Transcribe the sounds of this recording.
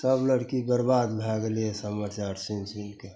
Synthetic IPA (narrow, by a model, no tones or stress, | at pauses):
səbləɽkibəɾbaːd̪bʱaɡəliesəməɾt͡ʃaɾsinsinke